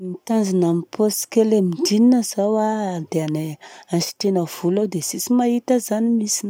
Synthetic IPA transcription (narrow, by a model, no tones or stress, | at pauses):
mit̪anzanamiposkeleminɖ͡ʐininəzawad̪eaneanʃi̥t̪enəv̥ulawd̪esisimaɦit̪əzanimisin